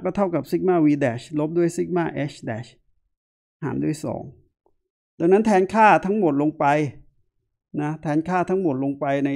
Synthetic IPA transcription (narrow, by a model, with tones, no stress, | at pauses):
kɔː˥˩t̪ʰa˥˩wka˨˩p̚si˦˥k̚maː˥˩wiː˧dɛː˨˩ɕlo˦˥p̚du˥˩əjsi˦˥˩k̚maː˥˩ʔeː˦˥ɕʰdɛː˨˩ɕ | ha̰ː˩˦ndu˥˩əjsɔ̰ː˩˦ŋ | da˧ŋna˦˥nt̪ʰɛː˧˥nkʰaː˥˩t̪ʰa˦˥ŋmo˨˩t̪̚lo˧ŋpa˧j | na˦˥t̪ʰɛː˧˥nkʰaː˥˩t̪ʰa˦˥ŋmo˨˩t̪̚lo˧ŋpa˧jna˧